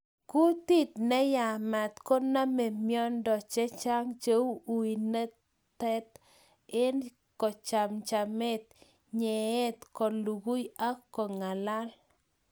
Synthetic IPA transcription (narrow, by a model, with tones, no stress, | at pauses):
ku˦t̪i˦t̪nɛ˦ja˨mɛ˨t̪kɔ˦na˦me˨mjɔ˦ndɔ˨t͡ʃɛ˦t͡ʃa˦ŋt͡ʃe˦u˦u˨i˨ne˦ | t̪ɛ˦t̪ | ɪ˦n | kɔ˨t͡ʃa˨mt͡ʃa˨me˦t̪̚ | ɲe˨e˦t̪kɔ˨lu˨ɡu˦ja˦kɔ˨ŋa˨la˦l